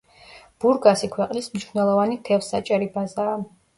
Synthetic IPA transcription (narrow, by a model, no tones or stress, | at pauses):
b̥uɾɡasikʰwɛqʼlismniʃnɛlˠɔvanit̪ʰɛfsat͡ʃʼɛɾibazaː